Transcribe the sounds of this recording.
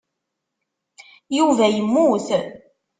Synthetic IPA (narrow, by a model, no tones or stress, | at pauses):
juvæjəmːuθ